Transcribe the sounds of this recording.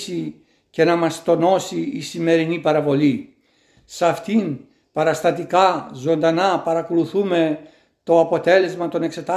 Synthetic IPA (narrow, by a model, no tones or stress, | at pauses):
si | ce̞nɐmɐst̪o̞no̞siːsime̞ɾinipɐɾɐvo̞li | sɐft̪in | pɐɾɐst̪ɐt̪ikɐzo̞nd̪ɐnɐpɐɾɐko̞luθume̞ | t̪o̞ɐpo̞t̪e̞le̞zmɐt̪o̞ne̞kse̞t̪ɐ